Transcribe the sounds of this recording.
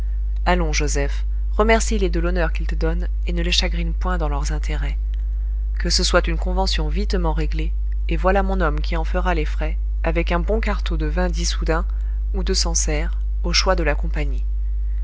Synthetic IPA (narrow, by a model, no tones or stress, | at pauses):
alɔ̃ʒozɛf | ʁəmɛʁsiled̪əlɔnœʁkʲilt̪əd̪ɔn | enəleʃaɡʁinpwɛ̃d̪ɑ̃lœʁzɛ̃t̪ʰeʁɛ | kəsəswat̪ynkɔ̃vɑ̃sjɔ̃vit̪mɑ̃ʁeɡle | evwalamɔ̃nɔmkʲiɑ̃fəʁalefχɛ | avɛkɛ̃bɔ̃kaʁt̪od̪əvɛ̃d̪isud̪ɛ̃ | ud̪əsɑ̃sɛʁ | oʃwad̪əlakɔ̃paɲi